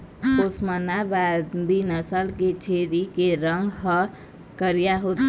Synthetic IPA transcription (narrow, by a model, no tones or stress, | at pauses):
kosmənabad̪ʱinʌsəlket͡ʃʰeɾikeɾʌŋɡɦʌ | kəɾijaɦot̪